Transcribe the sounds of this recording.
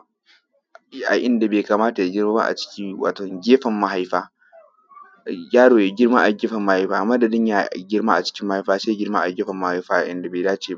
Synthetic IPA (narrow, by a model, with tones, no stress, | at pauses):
ʔa˨ʔɪ˦nda˨beː˨kaː˨maː˦ta˨ja˨ɡʲɪ˦ɾmaː˦ba̰˦ʔa̰˨t͡ʃɪ̥˦kʲi˦wa̰ː˨tɔ˨ŋɡʲeː˦ɸɐ˨mːa˦ɦa˦jɸaː˦ | jaː˦ɽoː˨ja˨ɡʲɪ˦ɽma̰˦ʔa˨ɡʲɪː˦ɸɐ˨mːa˦ha˦jɸaː˦˨mɐ˦dɐ˨dɪ˦ɲja˦ɡʲɪ˦ɽma˦ʔa˨t͡ʃɪ̥˦kʲɪ˦mːa˦ha˦jɸaː˦seː˦ɡʲɪ˦ɽma̰˦˨ʔa˨ɡʲeː˦ɸɐ˨mːa˦ha˦jɸaː˦ʔʔɪ̰˦nda˨beː˨daː˦t͡ʃeː˨ba˦ʔ